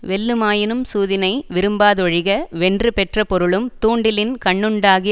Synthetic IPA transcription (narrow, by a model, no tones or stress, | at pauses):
ʋɛlːɯmaːjɪnɯmsuːðɪnɐɪʋɪɾɯmbaːðɔɻɪɣɐʋɛndrɯpɛʈrɐpɔɾɯɭɯmt̪uːɳɖɪlɪnkɐɳːɯɳɖaːɣɪ